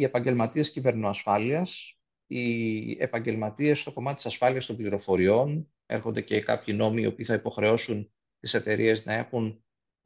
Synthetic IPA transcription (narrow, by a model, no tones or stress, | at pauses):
ie̞pɐɲɟe̞lmɐt̪ie̞scive̞ɾnoɐsfɐliɐs | ie̞̰pɐɲɟe̞lmɐt̪ie̞st̪o̞ko̞mɐt̪et̪i̥sɐsfɐliɐst̪o̞mbliɾo̞fo̞ɾio̞n | e̞̰ɾxo̞nd̪e̞ce̞kɐ̰pçino̞miːo̞̰piːθɐipoxɾe̞o̞sun | t̪ise̞t̪e̞ɾie̞znɐe̞xun